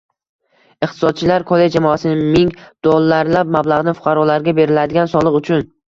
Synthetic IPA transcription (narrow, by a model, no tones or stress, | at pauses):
ɪqt̪ʰɪ̥sɒd̪̚t͡ʃʰɪlaɾkʰolˠed͡ʒd͡ʒamɒasɪnɪmɪŋd̪̥olˠːaɾlap̚mablˠaʁnɪfʊ̥qʰɑɾɒlaɾɡʲabe̞ɾɪlad̪ɪɡʲansɒlˠɨqʊt͡ʃʰʊn